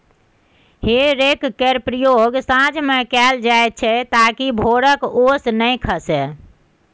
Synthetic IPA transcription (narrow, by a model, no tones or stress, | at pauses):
heɾekkeɾpɾəjoɡsãd͡ʒmekɛld͡ʒaet̪̚t͡ʃʰɛt̪akibʱoɽəkosnəjkʰəsɛ